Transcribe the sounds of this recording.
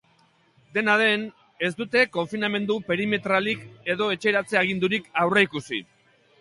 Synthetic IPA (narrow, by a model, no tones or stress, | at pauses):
d̪e̞nað̞e̞n | e̞zd̪ut̪e̞ko̞ɱfiname̞nd̪upe̞ɾime̞t̪ɾalike̞ðo̞e̞t͡ʃe̞ɾat͡se̞aɣ̞ind̪uɾikawreikusḭ